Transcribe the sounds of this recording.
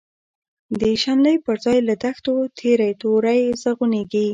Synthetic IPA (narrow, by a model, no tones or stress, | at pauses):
d̪əʃanləjpəɾzɑjlad̪axt̪ot̪ʰeɾajt̪oɾajzəɣuneɡi